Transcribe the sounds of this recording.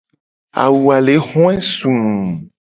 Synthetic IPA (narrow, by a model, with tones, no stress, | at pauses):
a̰˨wu˨a˨le˨˦xɔ̃˦ɛ˦sũ˨